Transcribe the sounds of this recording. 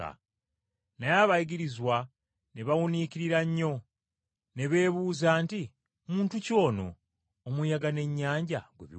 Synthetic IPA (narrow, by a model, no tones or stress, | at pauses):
a̰ | najaβajiɡiɾizwa | neβawuniciɾiɾaɲːo̞ | ne̞βe̞ːβuːzaːnti | muːntuco̞ːno̞̰ː | mujaɡane̞ɲːaːɲɟaɡwḛβi